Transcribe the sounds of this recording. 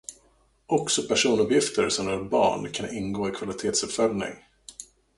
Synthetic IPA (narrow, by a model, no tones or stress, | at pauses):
ɔksɔpʰæʂuːnɵpjɪft̪ʰəɾsɔmjœɾbɑ̰ːɳkʰanɪnɡoːɪkʰvalɪt̪ʰeːt̪sɵpfœlnɪ̰ŋ